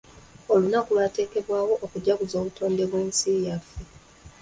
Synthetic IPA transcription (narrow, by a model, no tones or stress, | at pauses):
o̞lunakulwate̞ːke̞βwaːwo̞ʔokuɟːaɡuzo̞ːβutʰo̞ːnde̞βwe̞ːnsiːjafe